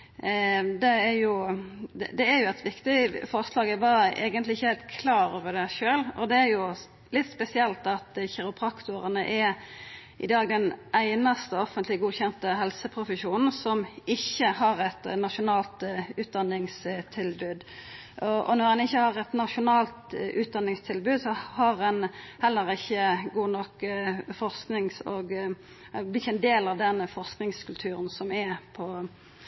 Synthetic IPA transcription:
d̪ɛæɾjʊd̪ɛd̪ɛæɾjʊɛt̪ʰʋɪkt̪ɪfɔʁslɑːɡɛɾbɑːɾəʔḛːɡənt̪lɪɪçːəhɛɪlt̪kʰlɑːɾoːʋəd̪ɛʃøːlɔ̰d̪ɛæɾjʊ | lɪt̪spɛsɪɛlt̪ɑt̪çɛɾʊpʰʁɑkt̪ʊʁənəʔɛɾ | ʔɪd̪ɑːɡd̪ɛnʔæɪnɑst̪əɔfənt̪lɪɡuːçɛnt̪əɦɛlsəpʰɾʊfəʃuːnn̩sɔmɪçːəhɑʁɛt̪nɑʃʊnɑːlt̪ʉːt̪̚d̪ɑnːɪŋst̪ʰɪlbʉːd̪ | ʔɔɔ̰nɔʁɛnɪçːəhɑʁɛt̪nɑʂʊnɑːlt̪ʔʉːt̪̚d̪ɑnːɪŋst̪ʰɪlbʉːd̪sɔhɑʁɛnhɛlːəʁɪçːəɡuːnɔkːfɔʁsknɪŋsoːɡ | blɪɪçəɛnd̪eːlɑʋd̪ɛnfɔʁsknɪŋskʰʉlt̪ʰʉːʁənsɔmɛpʰɔ

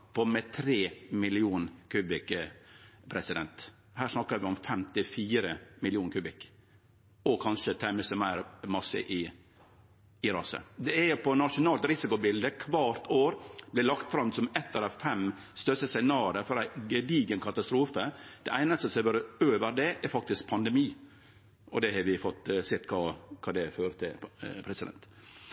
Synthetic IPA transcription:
pɔmɛt̪ʰɾeːmɪlɪuːnkʰʉːbɪk | pʰɾɛsɪd̪ɛnt̪ | hæːɾʂnɑkːəɾʋɪɔmfɛmt̪ɪfiːɾəmɪlɪuːnkʰʉːbɪk | ɔkʰɑnʂət̪ʰæməsəmæɪɾmɑsə̰ʔɪ | ɪɾɑsə̰d̪ɛɛpɔnɑʂʊnɑːlt̪ɾɪsɪkʊbɪld̪əkʰʋɑːɾt̪oːɾb̥lɛlɑkt̪fɾɑmsɔmɛt̪ʰːəɾɑfɛm | st̪œsəsɛnɑːɾəɾfɔɾæɪɡəd̪iːɡənkʰɑt̪ɑst̪ɾuːfəd̪̥ɛʔæɪnəst̪əsɛʋøːɾəøːʋəɾd̪ɛʔɛɾfɑk̚t̪ɪsk̚pʰɑnd̪ɛmiː | ʔɔd̪ɛhɑɾʋɪfɔt̪ːsɪt̪kʰɑːkʰɑːd̪ɛføːɾət̪ʰɪlpʰɾɛsɪd̪ɛ̰nt̪

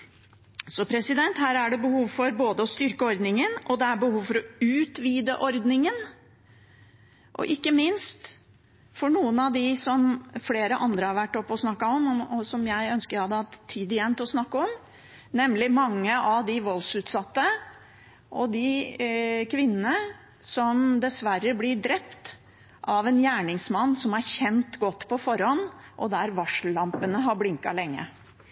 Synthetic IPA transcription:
sɔpʰɾɛsɪd̪ɛnt̪hæːɾæɖɛbəhuːʋfɔɾboːd̪əɔst̪ʏɾkəɔɾd̪nɪŋənɔd̪ɛæbəhuːʋfɔɾɔʉːt̪ʋiːd̪əʔɔɾd̪nɪŋən | ʔɔ̰ʔɪkːəmɪnst̪ | fɔɳuːənɑʋd̪ɪsɔmfleːɾəʔɑnd̪ɾəhɑɾʋæʈːɔpːɔsnɑkːɑɔmɔɔsɔmjæɪœnskəɾæhɑd̪ːəhɑt̪t̪ʰːiːd̪ɪjɛnt̪ɔsnɑkːəɔm | nɛmlɪmɑŋːəʔɑʋd̪ɪʋɔlsʉːt̪sɑt̪ːə | ʔɔd̪ɪ | kʰʋɪnːənə | sɔmd̪ɛsʋæɾːəblɪɖɾɛpt̪ | ʔɑʋɛnjæːɳɪŋsmɑnːsɔmæɾçɛnt̪ɡɔt̪ːpʰɔfɔɾhɔnʔɔ̰d̪æɾʋɑʂllɑmpənəɦɑɾblɪŋkɑ̰lɛŋːə̰

